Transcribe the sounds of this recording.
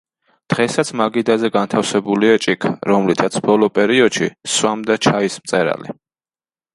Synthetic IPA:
d̪̥ʁɛsat̪sʰmaɡid̪azɛɡant̪ʰafsɛbuliat͡ʃʼikʰɾɔmlit̪ʰat̪sʰb̥ɔlˠɔpʼɛɾiɔd̪̥ʃiswamd̪at͡ʃʰaismt̪sʼɛɾa̰lḭ

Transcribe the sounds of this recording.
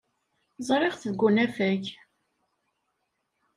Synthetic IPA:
zˤɾˤɪʁθðɡʷːunæfæç

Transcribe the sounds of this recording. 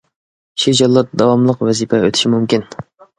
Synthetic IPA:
ʃid͡ʒɑlˠːɑt̪d̪ɑwɑmlˠəqwɛzipʰɛøt̪ʰɪ̥ʃimumkʲin

